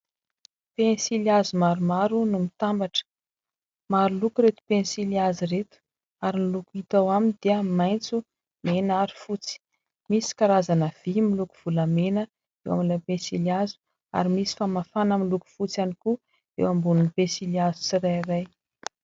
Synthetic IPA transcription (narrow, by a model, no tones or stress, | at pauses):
pensiliazumaɾumaɾunumit̪ambaʈ͡ʂə̥ | maɾulukuɾet̪u̥pensiliaziret̪u̥ | aɾinilukuit̪awamind̪̥iəmajnt͡su | menaɾi̥fut͡si̥ | misi̥kaɾazanəv̥imilukuv̥uləmenə | ewa̰minpẽsiliazu̥ | a̰ɾimisi̥famafanamiluku̥fut͡sianiku | ḛwambununipẽsiliazu̥siɾajɾaj